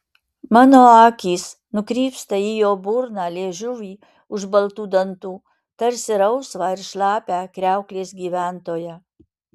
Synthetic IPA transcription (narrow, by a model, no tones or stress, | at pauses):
mɑːnoːɑːkʲiːs | nʊkɾʲiːpst̪ɐijoːbʊɾnɑːlʲeːʒʲʊʋʲiː | ʊʒbɐlˠt̪uːd̪ɐnt̪uː | t̪ɐɾʲsʲɪɾɐʊsʋɑːɪɾʃlˠɑːpʲæːkɾʲæˑʊklʲeːsɡʲiːʋʲænt̪oːjæː